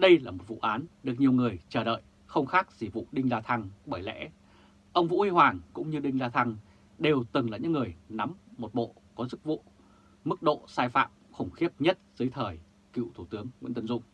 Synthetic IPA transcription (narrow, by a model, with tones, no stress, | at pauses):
ɗə˧jlaː˨˩mo˨˩t̚vṵ˧˨ʔaː˨˦nɗɨ˨˩ək̚ɲi˨˩əwŋɨ˨˩əjt͡ɕəː˧˩ɗə̰ː˧˨j | xə˧wŋ͡mxaː˦˥k̚zi˧˩vṵ˧˨ɗï˧ŋzaː˧t̪ʰa˧ŋɓəː˧˩jlɛ̰˧˥ | ʔə˧wŋ͡mvṵ˧˥hi˧hwaː˨˩ŋkʊ̰˧˥ŋ͡mɲɨ˧ɗï˧ŋ̟zaː˧t̪ʰa˧ŋ | ɗe˨˩wt̪ɨ˨˩ŋlaː˨˩ɲɨ̰˧˥ŋːɨ˨˩əjna˨˦mmo˨˩t̚ɓo̰˧˨ | kɔ˨˦zɨ˦˥k̚vṵ˧˨ | mɨ˦˥k̚ɗo̰˧˨saː˧jfa̰ː˧˨mxə˧˩wŋ͡mxi˦˥əp̚ɲə˦˥t̚z̥ɨː˨˦jt̪ʰəː˨˩j | kḭ˧˨wt̪ʰu˧˩t̪ɨ˨˦əŋːwḭ˧˥nt̪ə˧nzʊ̰˧˨ŋ͡m